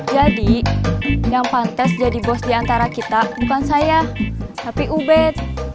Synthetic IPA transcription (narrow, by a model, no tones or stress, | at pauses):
d͡ʒadi | jaŋpant̪ɛsd͡ʒadibɔsdiant̪aɾakit̪abukansajat̪apiʔubɛt̪̚